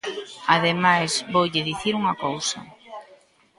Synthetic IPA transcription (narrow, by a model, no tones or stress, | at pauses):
aðemajszβowʎɪðiθiɾuŋɐkowsɐ̰